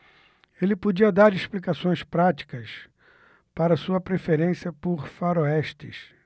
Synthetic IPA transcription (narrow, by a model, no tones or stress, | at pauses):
elɪpod͡ʒiɐd̪aɾɪʃplikasõj̃spɾat͡ʃi̥kɐs | paɾɐsuɐpɾefeɾẽsjɐpoɾfaɾoɛʃt̪ɪ̰s